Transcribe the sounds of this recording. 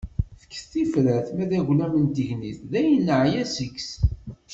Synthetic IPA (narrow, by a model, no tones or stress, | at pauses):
θə̥kːθθːifɾæθmæðæʝlæmənt̪əʝniθðæjənːəʕjæsəks